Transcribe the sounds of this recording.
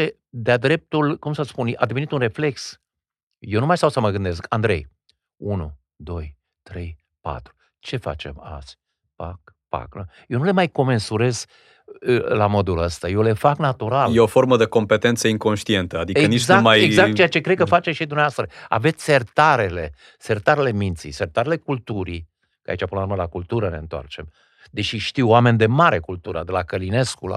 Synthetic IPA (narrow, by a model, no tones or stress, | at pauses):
e | d̪ead̪ɾe̞p̚t̪ulkumsəspuna̰d̪e̞ve̞nit̪unre̞fle̞ks | jewnumajst̪awsəməɡɨnd̪e̞s̬kʰand̪ɾe̞̰j | unṵ | d̪o̞j | t̪ɾe̞j | pa̰t̪ɾu̥ | t͡ʃe̞fa̰t͡ʃe̞̰ma̰zʲ | pa̰k̚ | pa̰kɾəjenule̞majko̞me̞nsuɾe̞z̥ | lamo̞d̪uləst̪ajewle̞faknat̪uɾaljeofo̞ɾməd̪eko̞mpet̪ent̪səiŋko̞nʃt̪ie̞nt̪əad̪ieənit͡ʃɡzakumajeɡzak̪̚t͡ʃejat͡ʃe̞kɾekəfat͡ʃeʃid̪umneavast̪ɾəa̰ve̞t̪sʲse̞rt̪aɾe̞le̞̰ | sert̪aɾele̞mint̪sḭsert̪aɾele̞kult̪uɾi | ka̰it͡ʃapɨnəlaɾuməelakult̪uɾəne̞ɨnt̪oa̰rt͡ʃe̞m | d̪e̞ʃiʃt̪iwame̞nʲd̪e̞maɾe̞kult̪uɾə̰d̪elakəline̞skula̰